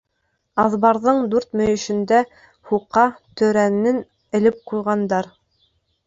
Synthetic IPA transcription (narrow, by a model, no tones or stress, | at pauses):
ɑðβɑɾðɤɴd̪ʉɾt̪mɵ̆jɵ̆ʃɘ̆nd̪æ | huqːɑt̪ɵ̆ɾænːɘn | ɘ̆lɘp̚qujʁɑnd̪ɑɾ